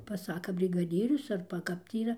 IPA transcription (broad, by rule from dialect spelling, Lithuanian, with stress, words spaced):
pɐˈsɑːkɐ bʲrʲɪɡɐˈdʲiːrʲʊs ˈɐrbɐ ˈkɐp tʲiː iːˈrɐ